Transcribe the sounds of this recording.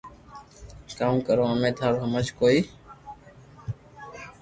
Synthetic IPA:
kaːũːkəɾõːamẽːt̪ʰaːɾɦəmət͡ʃkoːiː

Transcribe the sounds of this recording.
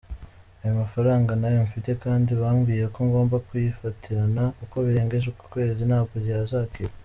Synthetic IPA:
ajumafaɾaːŋɡanajoɱfite̞kaːndiβaːmɡiːje̞koŋɡo̞ːmbakujifatʰiɾanauko̞βiɾe̞ːŋɡe̞ʒuku̥kwe̞ːzinhaːkoɾjazaːkiɾa

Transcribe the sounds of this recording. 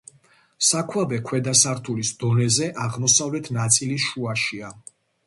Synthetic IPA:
sakʰwabɛkʰwɛd̪asaɾt̪ʰulisd̪̥ɔnɛzɛʔaʁmɔsavlɛt̪ʰnat̪sʼiliʃuaʃia

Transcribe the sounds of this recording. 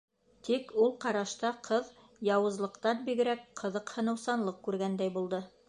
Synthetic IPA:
t̪ikulˠqɑɾɑʃt̪ɑqʰɤð | jɑwɤ̆zlˠɤ̆qt̪ɑnbiɡɘ̆ɾækqʰɤ̆ðɤqhɤ̆nɤ̆wsɑnlˠɤqkʉɾɡænd̪æjbulˠd̪ɤ

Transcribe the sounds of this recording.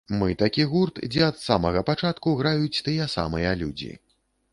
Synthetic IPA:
mɨt̪akʲiɣurt̪d͡zʲɛɐt̪samɐɣɐpat͡ʂat̪kuɣɾajut͡sʲt̪ɨjɛsa̰mɨjɐlʲud͡zʲḭ

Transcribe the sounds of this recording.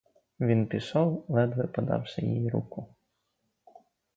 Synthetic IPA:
ʋʲinpʲɪsɔwlˠɛd̪ʋɪpɔd̪ɑ̰wsʲɐ̰jḭjiɾṵkʊ

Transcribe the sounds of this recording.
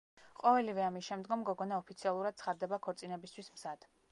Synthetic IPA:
qʼɔvɛlivɛamisʃɛmd̪ɡɔmɡɔɡɔnaɔpʰit̪sʰialˠuɾad̪̥̚t̪sʰχad̪d̪ɛbakʰɔɾt̪sʼinɛbist̪ʰwismz̥ad̪̥

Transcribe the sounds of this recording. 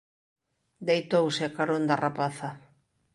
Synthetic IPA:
d̪ejt̪owseakaɾond̪arapaθa

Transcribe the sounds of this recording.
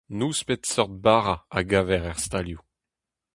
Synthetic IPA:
nuspet̪sɔʁt̪̚baːʁaaɡavɛʁɛʁst̪alju

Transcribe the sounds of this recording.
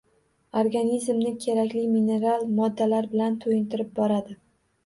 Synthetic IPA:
oɾɡanizmnɪkʲʰe̞ɾakʲlɪmine̞ɾalˠmɒd̪ːalaɾbɪlant̪ʰojɪnt̪ʰɪɾɪp̚bɒɾad̪ɪ

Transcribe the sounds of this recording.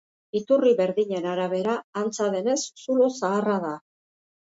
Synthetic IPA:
it̪uriβe̞ɾðiɲe̞naɾaβ̞e̞ɾaːnt͡saðe̞ne̞sːulosaːraða

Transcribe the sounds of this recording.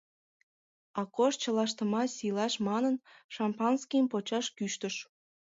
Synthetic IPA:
ɑkoʃt͡ɕə̆lɑʃt̪ə̆mɑsʲilɑʃmɑnənʃɑmpɑnskiəmpot͡ɕɑʃkyʃt̪əʃ

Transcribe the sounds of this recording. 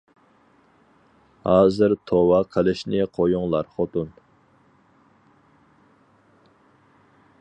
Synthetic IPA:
hɑːzɨɾt̪ʰowɑqʰəlɪʃnɪqʰojuŋlˠɑɾχot̪un

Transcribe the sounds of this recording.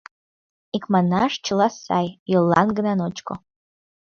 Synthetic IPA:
ikʼmanaʂt͡ʃʰɨlasa̰jjɨlːa̰nɡnanot͡ʃʼkʷʼo̰

